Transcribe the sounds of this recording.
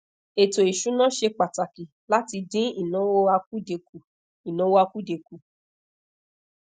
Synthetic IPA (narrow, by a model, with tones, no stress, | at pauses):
e˨to˨i˨ʃu˨˦nã˦˨ʃe˧k͡pa˨ta˨ki˨ | la˦ti˧dĩ˦i˦˨nã˨˦wo˦a˧ku˦de˨˧ku˨ | i˨nã˨˦wo˦a˧ku˦de˨ku˨